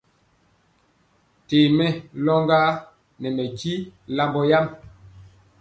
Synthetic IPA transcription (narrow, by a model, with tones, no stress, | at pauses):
teː˨mɛ˦lɔ˦ŋɡaː˦ | nɛ˨mɛ˨ki˦la˦mbɔ˦ja˦m